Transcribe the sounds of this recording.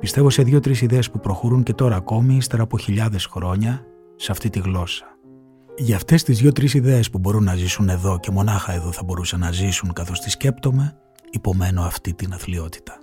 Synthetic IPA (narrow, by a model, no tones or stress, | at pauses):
pist̪e̞vo̞se̞ðʝo̞t̪ɾisiðe̞espupɾo̞xo̞ɾuɲce̞t̪o̞ɾɐːko̞miist̪e̞ɾɐːpo̞çiʎɐðe̞sxɾo̞ɲɐ | seɐft̪it̪iɣlo̞sɐ̥ | ʝɐːft̪e̞st̪izðʝo̞t̪ɾisiðe̞ːspubo̞ɾunːɐzisune̞ðo̞ce̞mo̞nɐxɐe̞ðo̞θɐbo̞ɾusɐnɐzisuŋkɐθo̞st̪isce̞pt̪o̞me̞ | ipo̞me̞no̞ɐft̪it̪inɐθlio̞t̪i̥t̪ɐ̥